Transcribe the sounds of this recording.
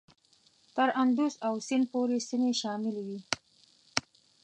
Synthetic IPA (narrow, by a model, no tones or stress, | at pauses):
t̪əɾand̪usawsɪnpoɾesineʃɑmɪlwi